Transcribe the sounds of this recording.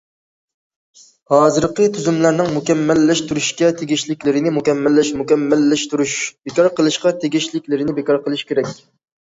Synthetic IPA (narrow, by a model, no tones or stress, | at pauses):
hɑːzɨɾqət̪ʰyzymlæɾnɪŋmukʲɛmːælːɛʃt̪ʰuɾuʃkʲɛt̪ʰeɡʲiʃlɪkʲlɪɾɪnɪmukʲɛmːælːɪʃmukʲɛmːælːɪʃt̪uɾuʃb̥ekɑɾqʰəlˠɨʃqɑt̪ʰeɡʲiʃlɪkʲlɪɾɪnɪbekɑɾqʰəlˠɨʃkʲeɾɛkʲ